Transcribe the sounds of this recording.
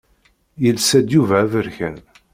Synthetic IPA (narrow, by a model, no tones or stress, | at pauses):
jəlsæd̪juvæævəɾçæn